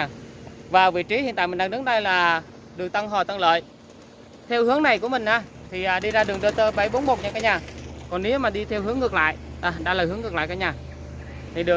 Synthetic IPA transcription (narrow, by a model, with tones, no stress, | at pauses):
vaː˨˩vḭ˧˨t͡ɕi˨˦hi˨˧˨nt̪a̰ː˧˨mï˨˩ŋɗa˨˩nɨ˨˦˥k̚na˧jlaː˨˩ | ɗɨ˨˩ək̚t̪a˧ŋɦɔ˨˩t̪a˧ŋlə̰ː˧˨j | t̪ʰɛ˧whɨ˨˦əŋna˨˩jku˧˩əmï˨˩ŋ̟ʔaː˨˧˩ | t̪ʰi˨˩ʔaː˨˩ɗi˧zaː˧ɗɨ˨˩əŋɗəː˧t̪əː˧ɓə˧˩jɓo˨˦nmo˨˩t̚ɲaː˧kaː˧˦ɲaː˨˩kɔ˨˩nne˨˦wmaː˨˩ɗi˧t̪ʰɛ˧whɨ˨˦əŋɨ˨˩ək̚la̰ː˧˨j | ʔa˨˩ɗa̰ː˧laː˨˩hɨ˨˦əŋɨ˨˩k̚la̰ː˧˨jkaː˧˦ɲaː˨˩ | t̪ʰi˨˩ɗɨ˨˩